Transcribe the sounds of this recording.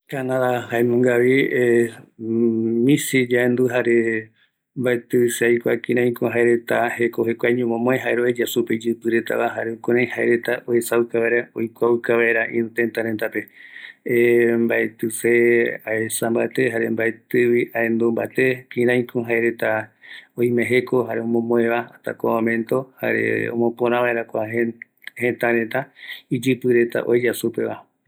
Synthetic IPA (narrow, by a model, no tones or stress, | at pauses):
kanãðahaemõŋɡaʋie | mĩsid͡ʒaend̪uɦaɾe | mbaet̪ɨseajkʷakĩɾ̃ãj̃kõɦaeɾet̪ahekohekʷaɲõmõmõẽɦaeɾoed͡ʒasuped͡ʒɨpɨɾet̪a̰βaɦaɾeukõɾ̃ãj̃haeɾe̞t̪aʔoesaukaβaeɾaojkʷaukaβaeɾaʔḭ̃ɾũt̪ent̪aɾent̪ape̞embaet̪ɨseaesambat̪e̞ɦaɾe̞mbaet̪ɨʋiaend̪omba̰t̪e̞pĩɾãj̃kʰõɦaeɾe̞t̪aõj̃mẽɦe̞ko̞ɦaɾeõmõmõẽβaat̪a̰komõmẽ̞nt̪o̞ha̰ɾe̞̰o̰mõ̞põɾãʋaeɾakʷaɦe | hẽt̪aɾẽ̞t̪aid͡ʒɨpɨɾe̞t̪a̰ʔoed͡ʒasupe̞βa